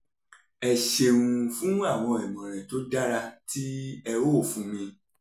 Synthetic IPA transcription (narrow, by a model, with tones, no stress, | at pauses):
ɛ˧ʃe˧ũ˧fũ˦a˦˨w̃ɔ̃˧ɛ˨mɔ̃˨ɾ̃ɛ˨to˨˦da˦ɾa˧ti˦ɛ˧wo˦o˦˨fũ˧˦mĩ˧